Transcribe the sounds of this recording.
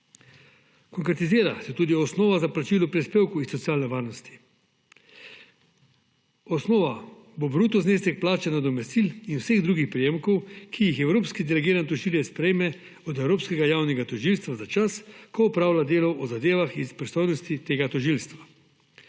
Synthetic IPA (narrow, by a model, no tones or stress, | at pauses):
kɔŋkɾɛt̪iziːɾasɛt̪uːd̪iɔsnoːʋazaplat͡ʃiːlɔpɾispeːwkuisːɔt̪sijaːlnɛʋaːɾnɔst̪i̥ | ɔsnoːʋa | bobɾuːt̪ɔzneːst̪ɛk̚plaːt͡ʃɛnad̪ɔmɛst̪iːlinwseɣd̪ɾuːɡixpɾijeːmkɔwkʰijixɛwɾoːpskid̪ɛlɛɡiːɾant̪ɔʒiːljɛspɾɛjmɛ | ɔd̪ɛwɾoːpskɛɡajaːwnɛɡat̪ɔʒilst̪ʋazat͡ʃaskɔɔpɾaːwlad̪eːlɔʔɔzad̪eːʋaxispɾist̪ojnɔst̪it̪eːɡat̪ɔʒilst̪ʋa